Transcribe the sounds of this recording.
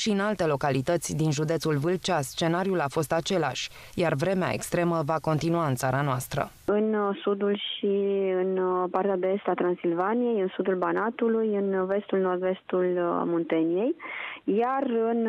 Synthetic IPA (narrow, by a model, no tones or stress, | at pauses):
ʃiɨnalt̪e̞lo̞kalit̪ət̪sʲd̪inʒud̪et̪sulvɨlt͡ʃast͡ʃe̞naɾiulafo̞st̪at͡ʃe̞la̰ʃʲ | jarvɾe̞mea̰ḛkst̪ɾe̞məvako̞nt̪inuaɨnt̪saɾanoast̪ɾə̰ | ɨnsud̪ulʃiɨnpart̪ead̪eest̪at̪ɾansilvanije̞jɨnsud̪ulbanat̪ulujɨnve̞st̪ulno̞rd̪ve̞st̪ulmont̪enije̞jjarɨn